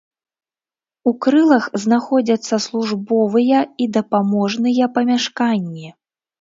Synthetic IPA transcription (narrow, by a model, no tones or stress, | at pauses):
ukɾɨlˠɐxznaxɔd͡zʲɐt̪sːɐslˠuʐbɔvɨjɐid̪ɐpamɔʐnɨjɐpɐmʲaʂkanʲːi